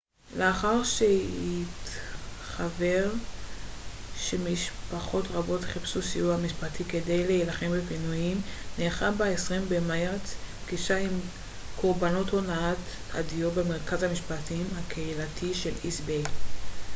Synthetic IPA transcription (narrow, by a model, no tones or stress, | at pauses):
leaχaʁʃehitχaveʁ | ʃemiʃpaχo̞tʁabo̞tχipsusiuhamiʃpatikedejlejelaχembepinujimneːχabaesʁimbemaeʁet͡sbɡiʃaim | kʰoʁbano̞to̞naat | a̰dijobemeʁkazamiʃpatimhakʰeilatʰiʃe̞lisbe